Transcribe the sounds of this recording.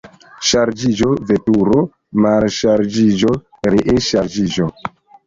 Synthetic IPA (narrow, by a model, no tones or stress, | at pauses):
ʃaɾd͡ʒid͡ʒovetuɾo | malʃaɾd͡ʒid͡ʒo | ɾiʔeʃaɾd͡ʒid͡ʒo